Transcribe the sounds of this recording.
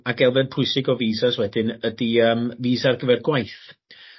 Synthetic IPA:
aɡɛlˠvɛdpʰʊɨsɪɡɔviːsaswɛdɪnədiəːmviːsarɡəvɛrɡwajθ

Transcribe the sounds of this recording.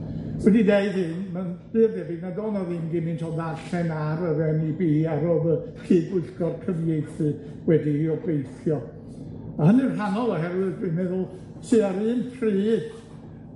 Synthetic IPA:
wɛdideɨðɨːnmanb̥ɨrdɛbɨnadoːnɔðɨmɡimɨntʰɔðarɬɛnaɾəðɛnibiːaɾoːðərʰiːbʊɨɬɡ̥ɔrkʰrənjejθɨ | wɛdiiɔblejθjɔ | ɔhənɨnranɔlˠɔɦɛɾwɨðdɨmɛðʊlˠ | sɨaɾɨːnpʰriː

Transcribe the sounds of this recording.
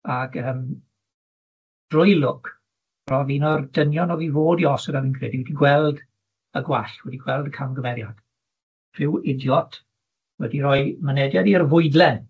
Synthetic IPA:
aɡəːm | d̥rʊjlˠʊkʰ | rɔviːnɔrdənjɔnɔviːvoːdiɔsədaviːnkʰrḛːdiwɛdiɡwɛlˠd | əɡwaɬwɛdiɡwɛlˠdəkʰamɡəmɛɾjad̥ | v̥ɪwɪdjɔtʰ | wɛdiɾɔjmənɛdjadirvʊɨdlˠɛn

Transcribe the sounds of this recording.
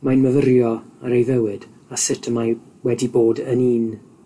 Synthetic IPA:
majnməvəɾjɔaɾejvɛwɨd | asɪtʰəmaj | wɛdiboːdəniːn

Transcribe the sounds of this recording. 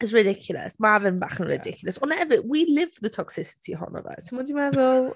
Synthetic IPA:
ɪzɹɪdɪkʰjl̩ˠə̰smavɪ̃nba̰χə̃nɹɪ̰dɪkʰjlˠəswə̃nɛvɪʔwilɪv̥fəðətʰɒksɪsɪ̥tʰiɦɑ̰nə̰və̰səmɔdimaɡo

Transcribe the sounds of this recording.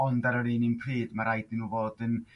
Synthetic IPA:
ɔndaɾəɾiːninpʰriːdmaɾajdɪnuːvoːdən

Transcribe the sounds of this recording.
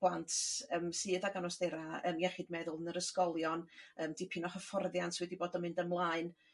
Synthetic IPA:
b̥lˠantʰəːmsɨːðaɡanɔsd̥ɛɾaə̰ːmjɛχɨdmɛðʊlˠənəɾəskɔlˠjɔnəːmdipʰɪnɔχəfɔrðjantʰwɛdiboːdɔmɪndəmlˠaɨn

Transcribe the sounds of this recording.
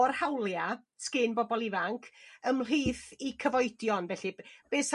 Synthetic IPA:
ɔrhawlˠja | skɪnbɔbɔlˠɪvaŋkʰəml̥iːθikʰəvɔɨdjɔnvɛɬɨb̥eːs

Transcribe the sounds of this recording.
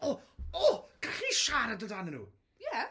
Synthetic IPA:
ɔɔɡ̥aχiʃaɾadədanənṵː | jɛ

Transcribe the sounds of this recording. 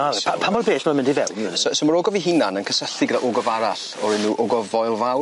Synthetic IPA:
aɛapʰambɔlˠbeːsmaamɪ̃ndivɛ̰wminsɔsɔmaɾoːɡɔviɦɪnanənkʰəsəɬiɡədaʔoɡɔvaɾaɬ | ɔɾɪnːuːʔoɡɔvɔjlˠvaw

